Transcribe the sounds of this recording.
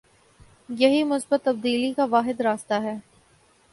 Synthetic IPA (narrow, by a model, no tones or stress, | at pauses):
jɐɦimʊsbət̪ːɐb̚d̪iːlikaʋaːɦɪd̪ɾaːst̪aɦɛː